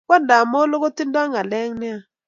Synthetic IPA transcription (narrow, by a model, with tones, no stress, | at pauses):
kɔ˦nda˨mo˦lo˦ɡo˦ti˦ndɔ˦ŋa˨lɛ˦ŋnɪ˦a˨